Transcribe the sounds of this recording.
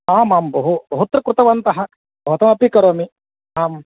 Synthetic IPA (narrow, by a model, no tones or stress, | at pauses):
aːmaːmbɐɦubɐɦut̪ɾɐkɾut̪ɐʋɐnt̪ɐɦɐ | bɐɦut̪ɐmɐpikɐɾoːmi | aːm